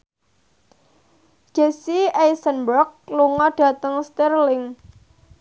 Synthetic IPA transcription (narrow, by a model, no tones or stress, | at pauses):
d͡ʒ̥e̤siejsənbɾɔk̚luŋɔɖ̥ä̤t̪əŋst̪irlɪŋ